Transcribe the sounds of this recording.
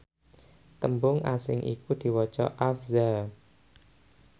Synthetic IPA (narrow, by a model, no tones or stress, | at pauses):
t̪əmbʊŋʔasɪŋʔḭkud̪̥i̤wɔ̥t͡ʃɔ̰ʔafza